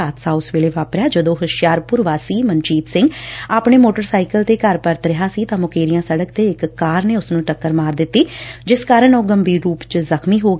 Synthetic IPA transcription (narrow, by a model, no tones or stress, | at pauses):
aːt̪saːʊsʋeːleːʋaːpɾjaːd͡ʒəd̪õːɦəʃjaːɾpʊɾʋaːsiːmənt͡ʃiːt̪sɪ̃ŋɡaːpɳeːmoːʈəɾsaːikəlt̪eːkəɾpəɾt̪ɾɪɦaːsiːt̪ãːmʊkeːɾijãːsəɽək̚t̪eːɪkːaːɾneːʊsnũːʈəkːəɾmaːɾd̪ɪt̪ːiːd͡ʒɪskaːɾəɳoːɡəmbiːɾuːpt͡ʃəzəkʰmiːɦoː